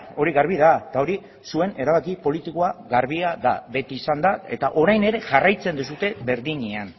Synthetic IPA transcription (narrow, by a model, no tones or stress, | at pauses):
o̞ɾiɣaɾβiðaet̪ao̞ɾi | sue̞ne̞ɾaβ̞akipo̞lit̪ikoaɣaɾβ̞iaða̰βe̞t̪iːsand̪ae̞̰t̪aʔo̞ɾajne̞ɾe̞ʝarajt͡se̞nd̪us̬ut̪e̞βe̞ɾðiɲean